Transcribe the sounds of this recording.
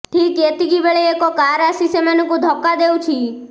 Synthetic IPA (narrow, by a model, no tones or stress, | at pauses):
ʈʰiket̪iɡibeɭeekɔkaɾasisemanɔŋkud̪ʱɔkːad̪ewt͡ʃʰi